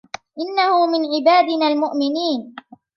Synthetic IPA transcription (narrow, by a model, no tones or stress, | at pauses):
ʔɪnːahʊmɪnʕɪbaːd̪ɪnaːlmʊʔmɪniːn